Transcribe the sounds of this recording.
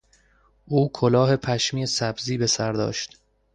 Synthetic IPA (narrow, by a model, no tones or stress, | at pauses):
ʔuːkʰolɒːɦe̞pʰæʃmiːesæbziːbe̞sæɾd̪ɒ̰ːʃt̪